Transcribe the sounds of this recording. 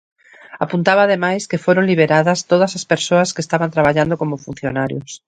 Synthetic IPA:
apunt̪aβaːðemajskefweɾonliβ̞eɾaðast̪oð̞asaspeɾsoaskeːst̪aβant̪ɾaβaʎand̪okomofun̟θjonaɾjos

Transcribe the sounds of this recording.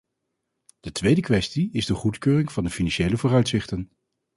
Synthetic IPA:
d̥ətʋejdəkʋɛstiɪzdəχutkøːrɪŋv̥ɑndəfinɑnʃejləvʊːrœɥtsɪχtən

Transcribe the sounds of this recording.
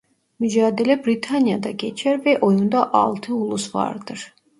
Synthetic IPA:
myd͡ʒɑːd̪ɛlɛbɾit̪ʰanjad̪ɑɡɛt͡ʃʰɛɾvɛʔɔjund̪aʔɑ̰lˠt̪ʰɨulˠusvɑ̰ɾd̪ɨɾ

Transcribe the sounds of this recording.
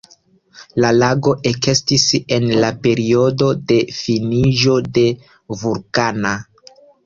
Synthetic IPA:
lalaɡo̞ʔeke̞stise̞nlape̞ɾio̞do̞de̞finiʒo̞de̞ | vuɾkana

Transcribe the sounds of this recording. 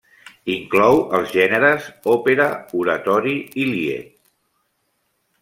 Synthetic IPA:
iŋklɔwəlˠzʒɛnəɾəzɔpeɾəuɾət̪ɔɾiiliḛt̪̚

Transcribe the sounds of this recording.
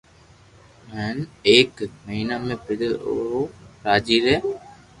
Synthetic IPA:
mɛːneːkməɦiːnaːmẽpɪɽoɾaːd͡ʒiːɾɛː

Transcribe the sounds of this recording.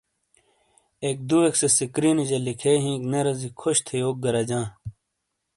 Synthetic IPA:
ek̚d̪ueksesikɾiːnid͡ʑɐlikʰeːɦĩːkneɾɐzikʰoɕt̪ʰejoːk̚ɡɐɾɐd͡ʑãː

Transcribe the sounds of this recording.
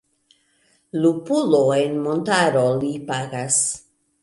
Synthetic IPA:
lupuloenmontaɾolipaɡas

